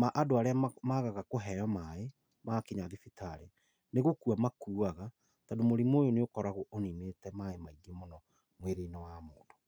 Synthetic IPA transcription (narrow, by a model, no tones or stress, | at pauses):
maʔadoaɾeamaɣaɣakoɦɛjɔmae | makeɲaðifitʰaɾe | neɣokuamakuːaɣa | tadomoɾimojoneokɔɾaɣoʔonineːtɛmaemaiɡemonɔ | mweɾeinawamoːndo̥